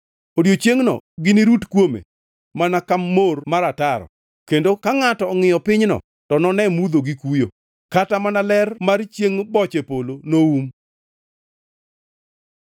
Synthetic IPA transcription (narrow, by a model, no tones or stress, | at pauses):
odjot͡ʃjeŋnɔ̰ɡɪniɾutkwomḛ | manakamːormaɾataɾɔ̰ | kendokaŋatɔːŋɪjɔpɪɲnɔ̰ | tɔnɔnɛmud̪oɡikujo | katamanalɛrmart͡ʃjeŋbɔt͡ʃepolonoum